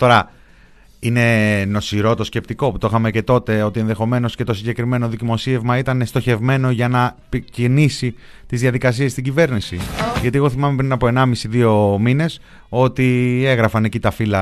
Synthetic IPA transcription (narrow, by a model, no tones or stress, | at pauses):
t̪o̞ɾɐ | ine̞no̞siɾo̞t̪o̞sce̞p̚t̪iko̞put̪oixɐmece̞t̪o̞t̪e̞o̞t̪ie̞nðe̞xo̞me̞no̞sce̞t̪o̞siɲɟe̞kɾime̞no̞ðicimo̞sie̞vmɐit̪ɐnest̪o̞çe̞vme̞no̞ʝɐnɐpicinisi | t̪izðiɐðikɐs̬ie̞st̪iɟive̞ɾnisiʝɐt̪ieɣo̞θimɐmepɾinɐpo̞e̞nɐmisiðio̞mine̞s | o̞t̪ie̞ɣɾɐfɐnecit̪ɐfilɐ